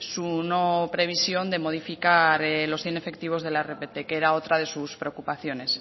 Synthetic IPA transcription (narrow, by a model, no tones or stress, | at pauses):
suno̞pɾe̞β̞isjo̞nd̪e̞mo̞ð̞ifikaɾelo̞sθje̞ne̞fe̞k̚t̪iβ̞o̞zðe̞laerepet̪e̞keɾao̞t̪ɾað̞e̞suspɾe̞okupaθjo̞ne̞s